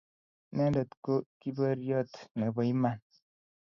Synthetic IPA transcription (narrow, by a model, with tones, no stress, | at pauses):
nɛ˦dɔ˨tko˦ki˦bə˦ɾjɔ˦t̪nɛ˨bɔ˨i˦ma˦˨n